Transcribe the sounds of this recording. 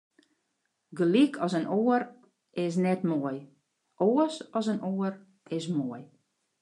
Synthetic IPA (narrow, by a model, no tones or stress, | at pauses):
ɡəlikʰɔsənoːər | ɪs̬nɛtmoəj | oəsɔsənoər | ɪs̬moəj